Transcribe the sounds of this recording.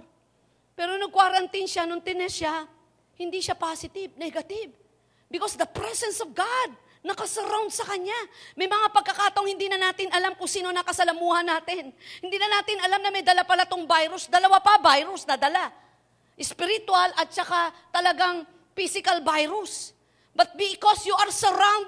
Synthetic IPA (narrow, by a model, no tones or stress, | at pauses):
pɛːɾo̞nɐɡ̚kwaɾɐnt̪inʃanʊnt̪ɛnɛʃa | hɪnd̪iʃapasɪt̪ɪb̚nɛɡɐt̪ɪb | bɪkosd̪ɐpɾɛsɛnsɔvɡad̪̚ | nɐkɐsɐɾawnd̪̚sɐkɐɲamɐjmɐŋapɐɡ̚kːɐkaːt̪ɐʔoŋhɪnd̪iːnɐnaːt̪ɪnɐlamkʊŋsiːno̞nɐkɐsɐlɐmuːhɐnːaːt̪ɪnhɪnd̪iːnɐnaːt̪ɪnɐlamnɐmɐjd̪ɐlapɐlɐt̪oŋbajɾʊsd̪ɐlɐwapɐbajɾʊsnɐd̪ɐla | ʔɛspɪɾɪt̪walʔɐt̪̚t͡ʃɐkat̪ɐlɐɡaŋ | fisɪkɐlbajɾʊs | bɐt̪̚bɪkosjuʔɐɾsɛɾãwnd̪̚